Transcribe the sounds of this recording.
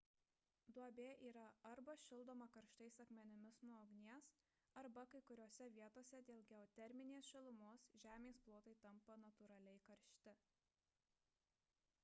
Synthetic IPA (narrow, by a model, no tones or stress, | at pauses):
d̪uɔbʲeːʔiːɾɐɐɾbɐʃʲɪlˠd̪oːmɐkɐɾʃt̪ɐɪsɐkmʲɛnʲɪmʲɪsnuɔɔɡnʲiɛs | ɐɾbɐkɐɪkʊɾʲoːsʲɛʋʲiɛt̪oːsʲɛd̪ʲeːlˠɡʲɛɔt̪ʲɛɾʲmʲɪnʲeːsʃʲɛlˠʊmoːsʒʲæːmʲeːsplˠoːt̪ɐɪt̪ɐmpɐnɐt̪ʊɾɐlʲɛɪkɐɾʲʃʲt̪ʲɪ